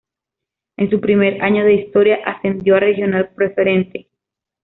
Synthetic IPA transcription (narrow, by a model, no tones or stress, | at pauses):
e̞nsupɾime̞ɾaɲo̞ðe̞ist̪o̞ɾjaʔase̞nd̪jo̞arexjo̞nalpɾe̞fe̞ɾe̞nt̪e̞